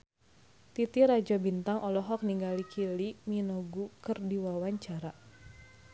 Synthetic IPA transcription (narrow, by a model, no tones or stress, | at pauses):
t̪it̪iɾad͡ʒabint̪aŋʔɔlɔɦɔk̚niŋɡalikʰiliminɔɡukɨrdiwawaɲt͡ʃaɾa